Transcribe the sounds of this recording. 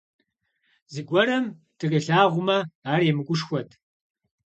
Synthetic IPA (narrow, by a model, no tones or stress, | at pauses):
zɨɡʷɔɾɐm | tʰɨkiɬaːʁʷʊmɐaːremɨɡʷʊʂxʷɔtʰ